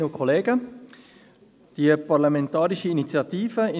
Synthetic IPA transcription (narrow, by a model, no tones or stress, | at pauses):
əkʰɔleːɡə | d̥iəpɑɾlamɛntɑːɾiʃiinit͡sjɑt̪iːfəɪ